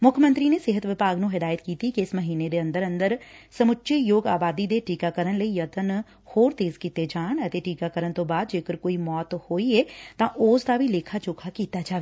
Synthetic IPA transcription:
mʊkʰjəmə̃nt̪ɾineseɦət̪ʋɪpaːɡnũɦɪd̪aːjət̪kiːt̪ikeɪsmɐɦiːned̪eɐ̃nd̪əɾɐ̃nd̪əɾsɐmʊtːʃʰijoːɡaːbaːd̪id̪eʈiːkakəɾənləijɐt̪ən | hoːɾt̪eːzkiːt̪ed͡ʒaːñɐt̪eʈiːkakəɾəñt̪obaːd̪d͡ʒeːkəɾkoːimɔːt̪hoːiet̪ãʔoːsd̪abʱileːkʰat͡ʃʊkʰakiːt̪ad͡ʒaːʋeː

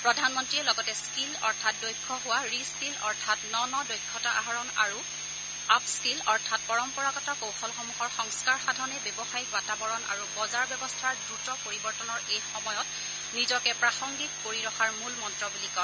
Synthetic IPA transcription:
pɹɔdʱanmɔntɹiɛlɔɡɔtɛskilɔɹtʰat̚dojkʰːɔɦʊwaɹiskilɔ̰ɹtʰatnɔnɔdojkʰːɔtaʔa̰ɦaɹɔna̰ɹu | apskilɔɹtʰat̚pɔɹɔmpɔɹakɔtɔkowxɔlxɔmuxɔɹxɔŋskaɹxadʱɔnɛbɔbɔxajɡwatabɔɹɔna̰ɹubɔzaɹbɛbɔstʰaɹdɹutɔpoɹibɔɹtɔnɔɹejxɔmɔjɔt | nizɔkɛpɹaxɔŋɡit̚poɹiɹɔxaɹmulmɔntɹɔbulikɔn

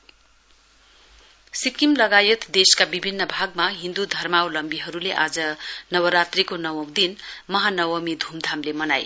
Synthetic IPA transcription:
sikimlʌɡajʌt̪d̪eskabibʱinːʌbʱaɡ̚maɦind̪ud̪ʱʌrmawlʌmbiɦʌɾuleʔad͡zʌnʌwʌɾat̪rikonʌwʌwd̪inmʌɦanʌwʌmid̪ʱumd̪ʱamlemʌnaj

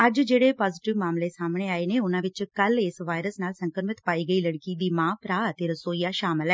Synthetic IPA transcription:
əd͡ʒd͡ʒeːɽeːpaːzɪʈɪʋmaːmleːsaːmɳ̃eːaːeːneːʊnãːʋɪt͡ʃkəlɪsʋaːjɾəsnaːlsəŋkəɾmɪt̪paːiːɡəiːləɽkiːd̪iːmãːpɾaːət̪eːɾəsoːijaːʃaːmɪlɛː

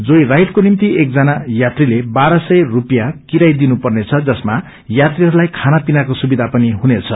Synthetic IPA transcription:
d͡zojrajʈkonimt̪iekd͡zʌnajat̪rilebaɾʌsʌjrupjakiɾajd̪inupʌrnet͡sʰʌd͡zʌsma | jat̪riɦʌɾulajkʰanapinakosubid̪ʱapʌniɦunet͡sʰʌ

